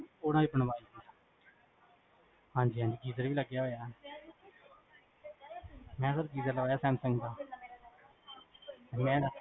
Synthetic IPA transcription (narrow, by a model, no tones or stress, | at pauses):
oːnãːibəɳbaːiːsa | hãːɲd͡ʒiːãːɲd͡ʒiːɡiːzəɾʋiːləɡːjaːɦoːjaː | mɛ̃ːsəɾɡiːzəɾləɡaːjaːsɛːmsəŋɡd̪aː | t̪eːmɛ̃ː